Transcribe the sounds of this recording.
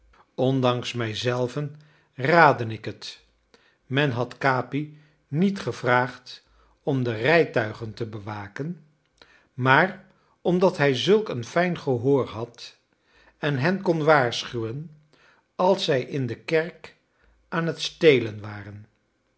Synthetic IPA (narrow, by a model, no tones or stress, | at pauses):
ɔndɑŋsmɛjzɛlˠvən | raːdənɪkɦət | mɛnɦɑtkaːpi | nitχəvraːχt | ɔmdərɛjtœɥχəntəbəʋaːkən | maːr | ɔmdɑtɦɛjzɵlˠkənfɛjnχəɦoːɹɦɑt | ɛnɦɛnkɔnʋaːɹsχywən | ɑlˠsɛjʔɪndəkɛɹk | ʔaːnɦətstejlənʋaːrən